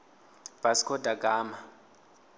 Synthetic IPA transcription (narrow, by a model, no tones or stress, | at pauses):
b̥ʱaskʰɔdʼakʼaːma